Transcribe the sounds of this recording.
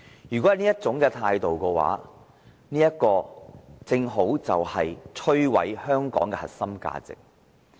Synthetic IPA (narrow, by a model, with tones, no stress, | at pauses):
jyː˨˩kɔ˨˥˨niː˥jɐ˥t̚t͡sʊ˨˥ŋkɛː˧t̪ʰaː˧jt̪o˨wkɛː˧wa̰ː˨˥ | niː˥jɐ˥t̚kɔː˧t͡sɪ˧ŋɦo˨˥wt͡sɐ˨whɐ˨jt͡ʃʰɵ˥ɥwɐ̰˨˥jhœː˥ŋkɔ̰ː˨˥ŋkɛː˧hɐ̰˨t̚sɐ˥mka̰ː˧t͡sɪ̰˨k̚